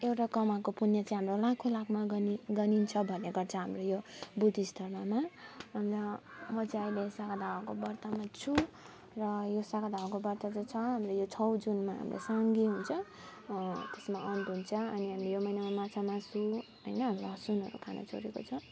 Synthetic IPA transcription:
ewʈakʌmakopunjʌt͡saĩɦamrolakʰolakʰmaɡʌniɡʌnint͡sʰʌbʱʌneɡʌrt͡sʰʌɦamrojobud̪ist̪ʰʌrmamaʌnlʌmʌt͡sajlesakad̪ʱawakobʌrt̪amat͡sʰu | rʌjosakad̪ʱawakobʌrt̪ad͡zʌt͡sʰʌɦamrojot͡sʰʌwd͡zunmaɦa̰mlḛsaŋɡiɦunt͡sʰʌ | t̪esmaʔʌnʈɦunt͡sʰʌʌniɦamlejomʌjnamamat͡sʰamasuɦʌ̰jnʌɦːmʌsunɦʌ̰ɾṵkʰa̰na̰t͡sʰo̰ɾeko̰t͡sʰʌ

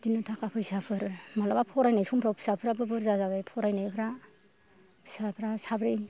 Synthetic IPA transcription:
dinutʰakapʰɯjsapʰɯɾmalabapʰɔɾajnajsʰumpʰɾawpʰi̥sapʰɯɾabɯbɯɾzazabajpʰɔɾajnajpʰɾa | psapʰɾasabɾi

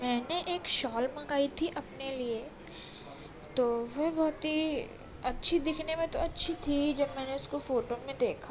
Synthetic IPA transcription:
mɛːneʔeːkʃɔːlmɐ̃kaːit̪ʰiʔɐpnelie | t̪oːʋɐɦbɔːt̪ɦi | ɐtːʃʰid̪ɪkʰnemẽt̪oɐtːʃʰit̪ʰid͡ʒɐbmɛːneʊskofoːʈomẽd̪eːkʰa

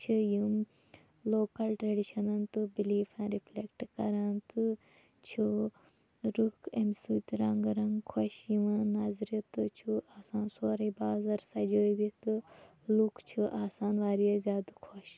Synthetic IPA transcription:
t͡ʃʰɨjum | loːkɐlʈɾɐɖiʃɐnɐnt̪ɨbiliːfãːnɾifʰlekʈkɐɾɐnt̪ɨ | t͡ʃʰu | ɾukʰemsuːt̪ɾɐŋɡɾɐŋɡkʰoʃjiʋãnaːzɾit̪ɨt͡ʃʰuaːsaːnsoːɾɐjbaːzɐɾsɐd͡ʒoːbit̪ɨ | lukʰt͡ʃʰuʔaːsaːnʋaːɾijɐzʲjaːd̪kʰoʃ

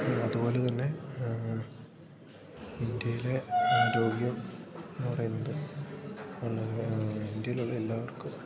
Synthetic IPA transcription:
ɐðupo̞ːlet̪ɐnːe̞ | ind̪jɐjile̞endeoɽijɐmnːpɐrɐjunːɐðɨ | ɐɭːɐind̪jɐjiluɭːɐelːaːʋɐrkum

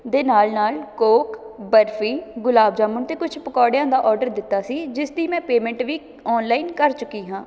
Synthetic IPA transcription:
d̪eːnaːlnaːlkoːkbəɾfʰiːɡʊlaːbd͡ʒaːmʊnt̪eːkʊt͡ʃʰpəkɔːɽjãːd̪aːʔɔːɾɖəɾd̪ɪt̪ːaːsiːd͡ʒɪsd̪iːmɛ̃ːpeːmɛ̃ɳʈʋiː | ɔːnlaːinkəɾt͡ʃʊkːiːɦãː

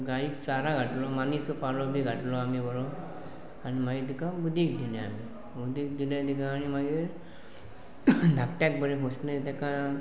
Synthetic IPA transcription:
ɡaiksaɾaɡʱaʈlɔmanit͡sɔpalɔbʱiːɡʱaʈlɔamibɔɾɔ | añimaɡid̪ikãbud̪ʱiːk̚d̪ilẽa̰mi | bud̪ʱiːk̚d̪ilẽd̪ik̬ãːñimaɡiːɾ | d̪ʱak̚ʈjak̚bəɾeɦosnet̪aka

